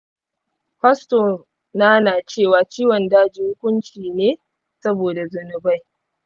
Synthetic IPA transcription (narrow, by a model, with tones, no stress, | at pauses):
ɸɐ˦sto˨ | na˦naː˨t͡ʃeː˦˨waː˨t͡ʃiː˦wɔ˨ndaː˦d͡ʒi˨hʊ˦kʷʊ˦nt͡ʃiː˨neː˦ | sɐ˦boː˨da˨zʊ˨nʊ˨ba˦j